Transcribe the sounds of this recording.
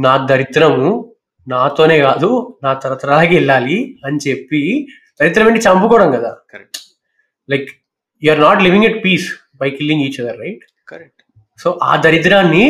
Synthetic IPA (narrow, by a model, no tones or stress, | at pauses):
naːd̪ɐɾit̪ɾɐmu | naːt̪o̞ːne̞ːkaːd̪unaːt̪ɐɾɐʋɐt̪ɐɾaːlaːkɛɭːaːliɐnit͡ʃe̞pːi | d̪̥ɐɾit̪ɾɐmeɳʈit͡ʃɐmpukɔːɽɐmkɐd̪a̰ː | lɐjk | juɐɾnaːʈliʋĩŋɛʈ̚piːs | bɐjkilːĩŋɡiːt͡ʃɐd̪ɐɾːɐjʈ | k | so̞ːʔa̰ːd̪ɐɾit̪ɾaːnːi